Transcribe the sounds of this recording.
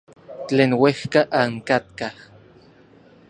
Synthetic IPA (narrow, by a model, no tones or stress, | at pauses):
t͡ɬeːnwehkaʔaŋkat̪̚kah